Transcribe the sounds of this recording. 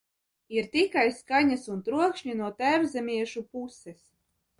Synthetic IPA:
iɾt̪ikajskaɲasunt̪ɾuɔkʃɲinuɔt̪æmzɛmʲiɛʃupusɛs

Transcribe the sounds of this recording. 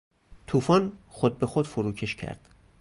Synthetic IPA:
t̪ʰuːfɒːnχod̪̚be̞xod̪̥foɾuːcʰe̞ʃcʰæ̰ɾd̪̥

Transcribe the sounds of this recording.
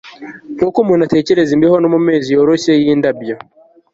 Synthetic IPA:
kwokumwunate̞ːceɾezimbehonomume̞ːzijoɾosejiːndabjo

